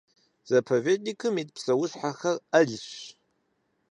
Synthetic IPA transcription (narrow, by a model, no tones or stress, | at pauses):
z̥ɐpʰoveːtnikʰɨmit̚psɐwʊɕħaxɐrɐɮɕ